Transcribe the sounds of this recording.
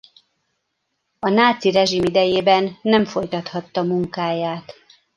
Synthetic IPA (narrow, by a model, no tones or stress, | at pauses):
ɒnaːt̪siɾɛʒimid̪ɛjeːbɛnːɛɱfo̞jt̪ɒt̪hɒt̪ːɒmuŋkaːjaːt̪